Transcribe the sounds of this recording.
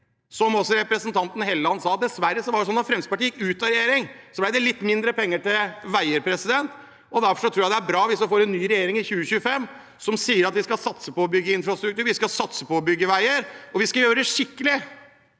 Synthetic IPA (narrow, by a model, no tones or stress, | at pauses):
sɔmɔsɔɾɛpɾəsənt̪ʰɑnt̪ənəheːləɑnsɑːɑt̪̚d̪ɛsʋæɾːəsɔʋɑɖɛsɔnːɑfɾɛmst̪pɑʈiːjɪkʉːt̪ɑɾɛjeːɾɪŋsɔblæɪd̪ɛlɪt̪ːmɪnd̪ɾəpɛŋːəʈɪlʋæɪəɾpʰɾɛsɪd̪ɛnt̪ | ɔd̪æɾfɔʂɔt̪ʰɾuːjɑd̪ɛæɾbɾɑːʋɪsɔfoːɾɛnːyːɾɛjeːɾɪŋɪçʉːəçʉːəfɛmː | sɔmsiːəɾɑt̪ʋɪskɑlsɑt̪səpɔɔbʏɡːəɪnfɾɑst̪ɾʉkt̪ʉːɾʋɪskɑsɑt̪səpɔːbʏɡːəʋæɪəɾɔʋɪskɑjøːɾəɖɛʂɪkːəlɪ